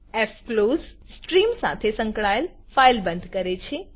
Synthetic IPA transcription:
efkloz | sʈɾimsa̰t̪ʰesə̃ŋkɭael | failbə̃nd̪ʱkəɾet͡ʃʰe

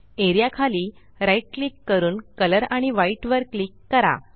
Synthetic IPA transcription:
eɾijakʰaliː | ɾaiʈ̚klikːəɾuːnkələɾaɽ̃iʋaiʈʋəɾklikːəɾa̰

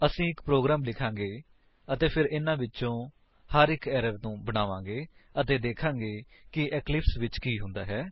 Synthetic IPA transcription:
əsĩːɪkpɾoːɡɾaːmlɪkʰãːŋɡeː | ət̪eːpʰɪɾɪnãːʋɪtːt͡ʃõː | həɾɪkɛːɾəɾnũːbəɽaːʋãːɡeːət̪eːd̪eːkʰãːŋɡeːkɪʔɛːklɪpsʋɪt͡ʃkiːɦʊ̃nd̪aːɦɛː

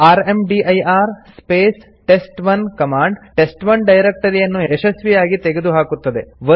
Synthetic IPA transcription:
aːɾemɖiʔɐjaːɾspeːs | ʈe̞sʈʋɐnkɐmaːɳɖʈesʈʋɐɳɖɐjɾek̚ʈɐɾijɐnːueʃɐsʋijaːɡit̪eɡe̞d̪uɦaːkut̪ːɐd̪e̞ʋɐ

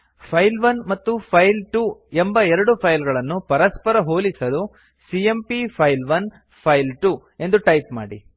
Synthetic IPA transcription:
pʰɐjlʋɐnmɐt̪ːupʰɐjlʈuːembɐɛɾɐɽupʰɐjlɡɐɭɐnːupɐɾɐspɐɾɐɦo̞ːlisɐlu | siempipʰɐjlʋɐn | pʰɐjlʈuː | e̞nd̪uʈɐjp̚ma̰ːɽḭ

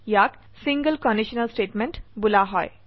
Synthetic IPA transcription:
jak | siŋɡəlkɔ̃ɳɖiɕənəlsʈeʈmẽɳʈbulaɦɔ̰j

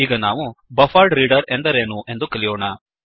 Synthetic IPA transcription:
iːɡɐnaːʋubɐfaːlɖɾiːɖɐɾe̞nd̪ɐɾeːnuʔe̞nd̪ukelijoːɳɐ

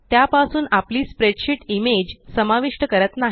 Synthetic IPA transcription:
t̪japasuːnapliːspɾeʈɕiʈimed͡ʑsəmaʋiʂʈəkəɾət̪naɦ

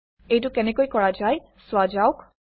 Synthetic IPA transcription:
ejtʊkɛnɛkojkɔɹad͡ʒaj | swad͡ʒawk

